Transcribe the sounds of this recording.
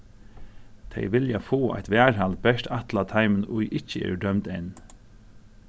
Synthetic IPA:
t̪ʰɛ̰ɪʋɪljafoːʔa̰jt̪ʋɛːɹhalt̪̚bɛʂt̪at̪lat̪ʰaɪmənʊjʔɪt͡ʃəḛːɹdœmt̪ɛn

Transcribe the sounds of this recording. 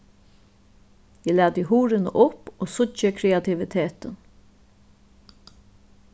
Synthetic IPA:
jɛlæːd̪əɦuːɾɪnə̰ʔʊpoːsʊt͡ʃəkʰɾɛat̪ʰɪʋɪt̪ʰeːt̪ən

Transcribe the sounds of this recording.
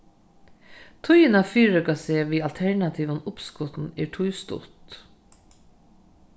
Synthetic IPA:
t̪ʰʊjɪnafiːɾəkaseːʋiːalt̪ʰɛɹɳat̪ʰiːʋʊnʊpskʊt̪n̩ɛɹʈʰʊjst̪ʊ̰t̪

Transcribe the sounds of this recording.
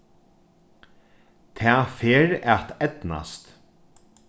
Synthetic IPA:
t̪ʰɛːfeːɾat̪ɛt̪na̰st̪

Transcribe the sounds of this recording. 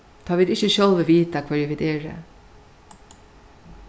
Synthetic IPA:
t̪ʰaːʋiːd̪ɪçəʃœlʋəʋiːt̪akʰvɛɹʋiːd̪eːɹə̰

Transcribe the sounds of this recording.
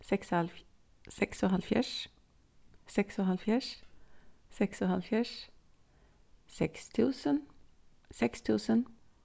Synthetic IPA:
sɛksɑl | sɛksɔːhɑlfjæ̰ʃ | sɛksɔːhɑlfjæʃ | sɛksɔːhɑlfjæʃ | sɛkst̪ʰʉːsən | sɛkst̪ʰʉːsən

